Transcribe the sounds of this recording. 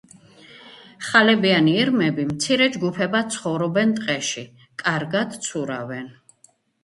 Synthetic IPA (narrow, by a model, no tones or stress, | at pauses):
χalɛbianiːɾmɛbimt̪sʰiɾɛd͡ʒɡupʰɛbat̪sʰχɔvɾɔbɛnt̪ʼqʼɛʃi | kʼaɾɡad̪̥t̪sʰuɾa̰vɛn